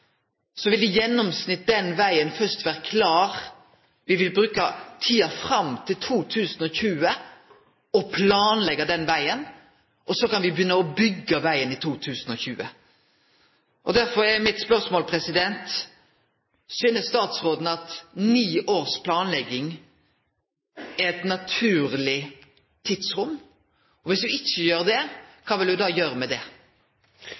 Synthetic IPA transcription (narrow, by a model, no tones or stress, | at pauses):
sɔʋɪld̪ɛjɛnːɔmsnɪt̪̚d̪ɛnʋæɪənfœst̪ʋæːɾəkʰlɑːɾ | ʋɪʋɪlbɾʉːkət̪ʰiːɑfɾɑmt̪ʰɪlt̪ʰuːt̪ʰʉːsn̩ɔçʉːə | ɔpʰlɑːnlɛɡəd̪ɛnʋæɪən | ʔɔsɔkɑnʋɪbjʏnːəɔbʏɡːəʋæɪənɪt̪ʰuːt̪ʰʉːsn̩ɔçʉːə̰ | ʔɔd̪æɾfɔɾɛmɪt̪spœʁsmoːlpʰɾɛsɪd̪ɛnt̪ | syːnəst̪ɑːt̪sɾoːd̪n̩ɑt̪niːʔoːɾspʰlɑːnlɛɡːɪŋ | ɛɾɛt̪nɑt̪ʰʉːɾlɪ | t̪ʰɪd̪sɾʊmː | ɔʋɪsd̪ʉɪçːəjøːɾd̪ɛkʰɑːʋɪld̪ʉd̪ɑːjøːɾəmɛd̪ɛ